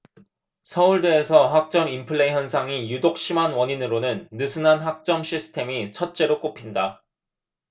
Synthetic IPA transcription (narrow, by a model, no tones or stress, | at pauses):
sʰʌuɭdeːsʰʌɦak̚t͡ɕ͈ʌmimpʰɯɭːeiçjʌnsʰaŋijudok̚ɕ͈ʰimanwʌɲinɯɾonɯnːɯsʰɯnanɦak̚t͡ɕ͈ʌmɕʰisʰɯ̥tʰemit͡ɕʰʌt̚t͡ɕ͈e̞ɾok͈opʰinda